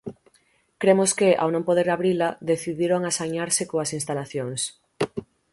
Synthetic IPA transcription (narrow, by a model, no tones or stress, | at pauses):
kɾemʊskɪʔa̰wnõmpoð̞eɾaβɾilaðeθiðiɾoŋasaɲaɾsekoasinst̪alaθjoŋs